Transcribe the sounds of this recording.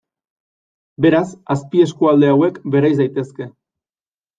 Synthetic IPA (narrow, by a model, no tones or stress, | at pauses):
be̞ɾasaspie̞skuald̪e̞awe̞kbe̞ɾajzd̪ajt̪e̞ske̞